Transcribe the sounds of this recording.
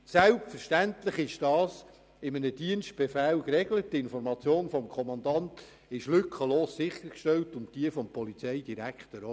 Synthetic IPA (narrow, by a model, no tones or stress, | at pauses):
sælp̚tfəɾʃtæntlɪχɪʃd̥ɑːs | ɪmənəd̥iənst̚b̥efæːlkrɛɡlət̚tɪnfɔɾmɑt͡sjoːnfɔmkʰɔmɑndɑnt | ɪʃlʏkʰəloːssɪχəɾkʃtɛltʊntd̥iəfɔmpʰɔlit͡sɛɪd̥iɾækχtəɾo